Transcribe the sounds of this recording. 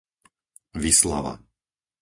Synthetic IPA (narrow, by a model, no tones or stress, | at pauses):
ʋisla̰ʋa̰